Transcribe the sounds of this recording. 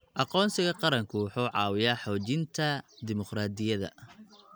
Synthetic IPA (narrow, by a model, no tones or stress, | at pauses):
ʔɑqɔːnsɪɣɐqɑɾɐŋkʰʊwʊħuːʕɑ̰ːwɪjaːħɔːt͡ʃɪnt̪ʰɐd̪ɪmʊqɾaːd̪ɪjɐðɐ̰